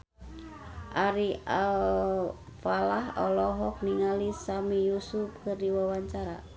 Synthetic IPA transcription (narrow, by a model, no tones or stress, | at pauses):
ʔaɾial | falahɔ̰lɔɦɔk̚niŋalisamijusup̚kɨrdiwawaɲt͡ʃaɾa̰